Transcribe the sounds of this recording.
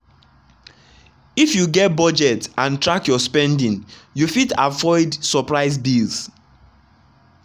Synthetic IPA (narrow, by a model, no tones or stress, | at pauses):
ifjuɡɛt̚bɔd͡ʒɛtãntɹakjɔspɛ̃ndĩnjufita̰vɔɪdsɔpɹaɪs̬bils